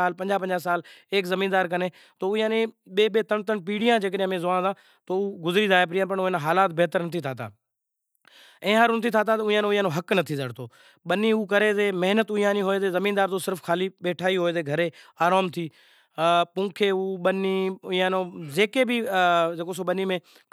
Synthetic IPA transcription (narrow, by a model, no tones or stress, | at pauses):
aːlpə̃ɲd͡ʒaːp̬ə̃ɲd͡ʒaːsaːleːkzəmiːnd̪aːɾkəneː | t̪oːiãːnẽːɓeːɓeːt̪əɳt̪əɳpiːɽijãːd͡ʒeːk̬əɗãmẽːzʊʋaːzãː | t̪oːuːɡʊzɾiːd̪aːepɾijãp̬əɳʊẽːnaɦaːlaːt̪̚beɦt̪əɾnɐt̪ʰit̪ʰaːt̪a̰ː | ɛ̃ːɦaɾʊnət̪ʰiːt̪ʰaːt̪̬at̪ʊ̃ãːnːĩãnõːɦəknət̪ʰiːzəɽt̪ʰoː | ɓənːiːuːkəɾeːzeːməɦnət̪ʊjãːnĩːɦoːeːzeːzəmiːnd̪aːɾt̪oːsɪɾfkʰaːliːɓeːʈʰaːiːɦoːeːzeːɡʱəɾeːaːɾaːmt̪ʰiː | pũːkʰeːuːɓəniːãːnõːzeːkeːbiːd͡ʒeːkoːsoːɓənːiːmẽː